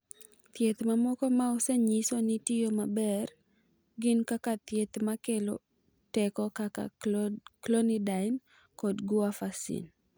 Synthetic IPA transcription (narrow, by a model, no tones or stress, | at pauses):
t̪jet̪mamɔkɔmaɔsɛɲisonɪtɪjomabɛr | ɡɪnkakat̪jet̪makelo̰ | tɛkɔkaka̰ | klɔnidaɪn | kɔdɡuafasḭn